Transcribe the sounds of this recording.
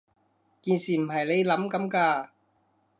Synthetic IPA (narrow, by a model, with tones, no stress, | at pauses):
kiː˧nsiː˨˩m̩˨˩ɦɐ˨jle˨˧jlɐ˨˥mkɐ˨˥mkaː˧